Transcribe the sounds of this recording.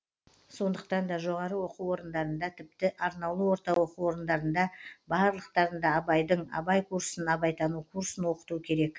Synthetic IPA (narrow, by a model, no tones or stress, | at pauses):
so̞nd̪əqt̪ɑnd̪ɑʒo̞ʁɑɾəwo̞quwo̞ɾənd̪ɑɾənd̪ɑt̪ʰɪp̚t̪ɪʔɑɾnɑwlˠəwo̞ɾt̪ɑwo̞quwo̞ɾənd̪ɑɾənd̪ɑbɑɾlˠəqt̪ɑɾənd̪ɑːbɑjd̪əɴɑ̰bɑjkʰuɾsənɑbɑjt̪ɑnukʰuɾsənwo̞qə̥t̪ukʲʰe̞ɾe̞k